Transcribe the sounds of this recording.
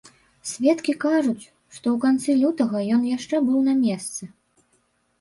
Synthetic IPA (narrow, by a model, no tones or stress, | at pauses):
sʲvʲɛt̪kʲikaʐut͡sʲ | ʂt̪ɔwkant̪sɨlʲut̪ɐɣɐjɔnjaʂt͡ʂɛbɨwnɐmʲɛst̪sɨ